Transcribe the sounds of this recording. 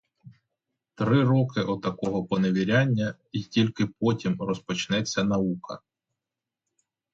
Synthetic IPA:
t̪ɾɪɾɔkɪʔɔd̪̚t̪ɐkɔɦɔpɔneʋʲiɾʲanʲːɐ | itʲilʲkɪp̚ɔtʲimrɔspɔt͡ʃnɛt͡sʲːɐnɐukɐ̰

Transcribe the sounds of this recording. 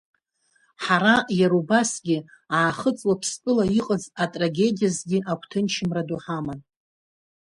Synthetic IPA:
ħaɾajaɾubasɡʲɪ | aːχət͡sʼwapʰspʼɨlaiqʼəzatʼraɡʲe̞dijazɡʲiʔakʷʰtʰɨnt͡ʃʰɪmraduħaman

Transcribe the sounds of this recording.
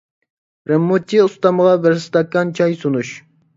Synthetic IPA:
ɾɨmːut͡ʃ̪ːiust̪ɑməʁɑbɪɾst̪ɑkːɑnt͡ʃʰɑjsunuʃ

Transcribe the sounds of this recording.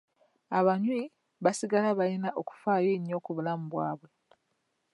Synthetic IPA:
aβaɲwi | βasiɡalaβalinaʔoku̥faːjeɲːoːkuβulamuβwa̰ːβwe̞

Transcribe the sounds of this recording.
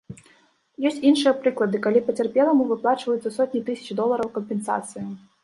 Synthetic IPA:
jɔsʲt͡sʲinʂɨjɐpɾɨklˠɐd̪ɨkalʲipɐt͡sʲarpʲɛlˠɐmuvɨplˠat͡ʂvɐjut̪sɐsɔt̪ʲnʲit̪ɨsʲɐ̥t͡ʃd̪ɔlˠɐɾɐwkɐmpʲɛnsa̰t̪sɨju

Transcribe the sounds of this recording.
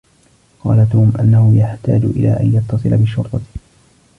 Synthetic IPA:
qɑːlat̪uːmʔanːahʊjaħt̪a̰ːd͡ʒʊʔɪ̰la̰ːʔa̰njɑt̪ːɑsˤɨlabɪʃʊɾt̪ˤɑ

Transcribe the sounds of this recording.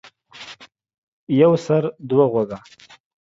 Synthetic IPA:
jawsaɾd̪waɣwaɡa

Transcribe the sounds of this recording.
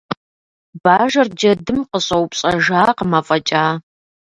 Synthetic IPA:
baːʒɐrd͡ʒɐdɨmqəɕʼɐwpɕʼɐʒaːqəmɐfʼɐt͡ʃʼaː

